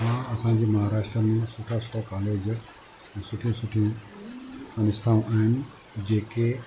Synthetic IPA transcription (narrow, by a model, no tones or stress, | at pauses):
ãɐsãɲ̆d͡ʑeːmɐɦaːɾaːʃʈɾəmẽsʊʈʰasʊ̥ʈʰakaːleːd͡ʑək | ɛ̃ːsʊʈʰijũsʊʈʰijũ | ɐnɪst̪ʰaːũʔaːɦɪnɪ̆ | d͡ʑeːke